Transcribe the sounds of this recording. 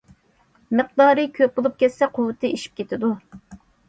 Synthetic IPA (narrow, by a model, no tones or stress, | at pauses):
mɨq̚d̪ɑːɾɨkʲʰøp̚bolˠup̚kʲɛssɛqʰʊwːɨt̪ʰɨiʃi̥p̚kʲʰet̪ʰɪd̪u